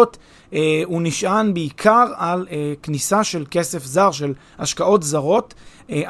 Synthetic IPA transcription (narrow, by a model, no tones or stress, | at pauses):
tː | uniʃʔanbeikʰaʁaleknisaʃe̞lke̞se̞fzaʁʃe̞l | haʃkao̞tzaʁo̞tː